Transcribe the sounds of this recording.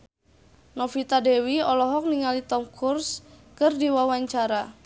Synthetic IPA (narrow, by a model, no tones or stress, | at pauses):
nɔfit̪adɛwiɔlɔɦɔk̚niŋalit̪ɔmkʰurskɨrdiwawaɲt͡ʃaɾa